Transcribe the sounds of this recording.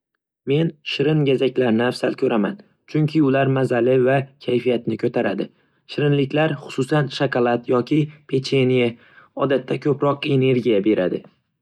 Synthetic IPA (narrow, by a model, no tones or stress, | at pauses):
me̞nʃɪɾɪnɡʲazakʲlaɾnɪafsalkʲʰɵɾama̰n | t͡ʃʰʊŋkʲʰɪʊlaɾmazalɪvakʲʰajfijat̪nɪkʰɵt̪ʰaɾad̪ɪ | ʃɪɾɪnlɪkʲlaɾχʊ̥sʊsanʃakɑlˠat̪jɒkʲʰɪpʰe̞t͡ʃʰenija | ɒd̪at̪ʰːakʲʰɵpɾɒqe̞ne̞ɾɡʲijabe̞ɾad̪ɪ